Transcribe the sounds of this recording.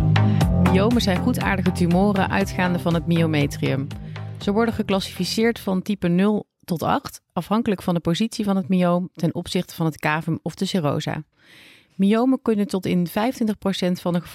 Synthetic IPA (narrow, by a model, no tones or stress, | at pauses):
miowməzɛjnχuta̰ːɹdəχətymoːrəʔœ̰ɥtχaːndəvɑnɦətmiowmejtriəmz̥əʋɔɹdənχəklɑsi̥fisɪːɹtfɑntipənɵlˠ | tɔtɑ̰χtɑfɦɑŋkələkfɑndəpozitsivɑnɦətmiowmtɛnʔɔpsɪχtə̥vɑnɦətkaːvəmɔvdəsɪro̰wza̰ː | miowməkɵnəntɔtɪ̰nvɛjəntʋɪntəχprowsɛntfɑndəχə